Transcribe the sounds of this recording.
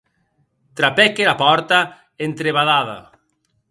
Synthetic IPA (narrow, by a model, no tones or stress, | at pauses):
t̪ɾapɛkelapɔɾt̪a | ent̪ɾeβaðaðɐ̰